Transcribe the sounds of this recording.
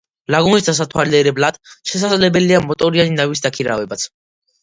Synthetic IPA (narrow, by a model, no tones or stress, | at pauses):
laɡunisd̪as̬at̪ʰwaliɛɾɛblat̪ʃɛs̬ad̪zlɛbɛliamɔt̪ʼɔɾianinavisd̪akʰiɾa̰vɛbat̪sʰ